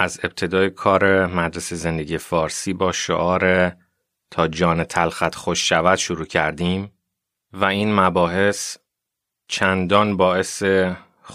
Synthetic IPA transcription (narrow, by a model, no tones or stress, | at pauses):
ʔæze̞b̚t̪ʰe̞d̪ɒːjekʰɒːɾemæd̪ɾeseze̞nd̪eɟiːe̞fɒːɾsiːbɒːʃo̰ʔɒːɾe | t̪ʰɒːd͡ʒɒːnet̪ʰælxæt̪ʰxoʃːævæd̪̥ʃoɾuːcʰæɾd̪iːm | væiːnmæbɒːɦe̞s | t͡ʃʰænd̪ɒːnbɒːe̞se